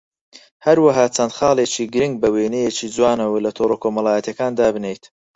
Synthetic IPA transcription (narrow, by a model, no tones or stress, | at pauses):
hɐɾwɐɦɑːt͡sʰɐnd̪χɑːlˠeːt͡ʃiːɡɨɾɨŋɡ̚bɐwenɛjet͡ʃiːd͡zwaːnɐwɐlɐt̪ʰoːɾokʰomɐlˠaːjɛt̪jɐkaːnd̪aːbɨnejt̪